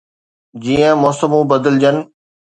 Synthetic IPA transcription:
d͡ʑiːə̃mɔːsəmũbəd̪əld͡ʑən̆

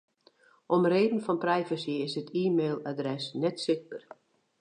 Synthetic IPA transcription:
ʔɔmreːdən̩fɔnprɛjvəsiɪsətʰiːmeːlˠadrɛsnɛtsɪk̚bər

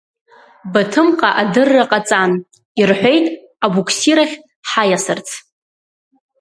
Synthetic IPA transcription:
batʰɨmqʼaʔadɨrːaqʼat͡sʼan | irħʷᶣe̞jtʼ | abukʷʰsiɾaχʲ | ħajasɨrt͡sʰ

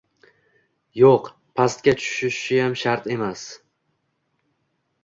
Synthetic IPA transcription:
joq | pʰast̪̚kʲat͡ʃʰʊ̥ʃɪʃʃɪjamʃaɾt̪e̞mas

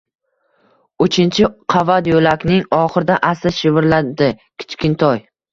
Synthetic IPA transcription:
ʊt͡ʃʰɪnt͡ʃʰɪqʰavad̪jolakʲnɪŋɒχɨɾd̪aʔasɪʃɪvɪɾlad̪ɪkʲʰɪ̥t͡ʃkʲɪnt̪ʰɒj

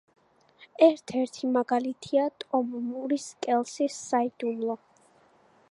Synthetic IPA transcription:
ɛɾt̪ʰɛɾt̪ʰimaɡalit̪ʰiat̪ʼɔmmuɾiskʼɛlˠsisːaid̪umlˠɔ

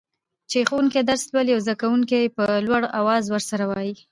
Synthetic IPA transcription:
t͡ʃexowuŋked̪aɾslwaljawzd̪akawuŋkepəlwaɽawɑzwəɾsaɾawɑji

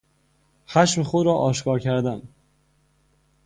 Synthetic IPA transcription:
xæʃmexod̪ɾɒːʔɒːʃkʰɒːɾcʰæɾd̪æn

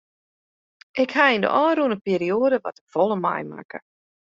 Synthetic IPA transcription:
ʔɪkhaində̰ʔɔːruənəpiːɾioːdəʋɔ̰təfɔlˠəma̰jma̰kə̰

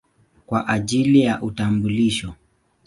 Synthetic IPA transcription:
kwaʔaʄilijaʔutambuliʃɔ

